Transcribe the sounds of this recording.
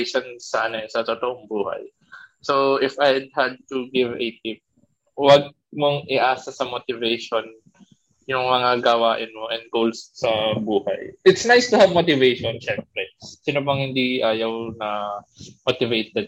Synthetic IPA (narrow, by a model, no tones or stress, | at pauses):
ʃonsaːnɐsɐt̪ot̪oʔoŋbuːhɐ̰j | sowʔɪfajd̪̚hɐd̪̚t̪uɡɪvɛ̰t̪ɪp̚ | wɐɡ̚ | moŋɪʔaːsɐsɐmot̪ɪvɛjʃon | jʊŋmɐŋaɡɐwaːʔɪnmoʔɛn̚ɡowlsːɐbuːhɐ̰jʔɪt̪snajst̪ʊhavmot̪ɪvejʃonʃɛmp̚ɾɛsinobɐŋhɪnd̪iʔaːjɐwnɐmot̪ɪvejt̪̚ɛd̪̚